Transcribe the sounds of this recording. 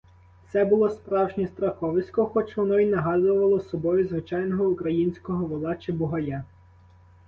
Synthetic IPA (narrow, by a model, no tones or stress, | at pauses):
sɛbʊlˠɔspɾɑwʒnʲist̪ɾɐxɔʋɪsʲkɔxɔt͡ʃʋɔnɔinɐɦɑzʊʋɐlˠɔsɔbɔjʊzʋɪt͡ʃɑjnɔɦɔukɾɐjinʲsʲkɔɦɔʋɔlˠɑt͡ʃɪbʊɦɐja